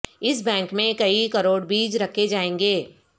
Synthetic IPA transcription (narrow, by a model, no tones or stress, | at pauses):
ɪsbɛ̃ːŋkmẽkɐikɐɾoːɽbiːd͡ʒɾɐkʰːed͡ʒaːẽːŋɡeː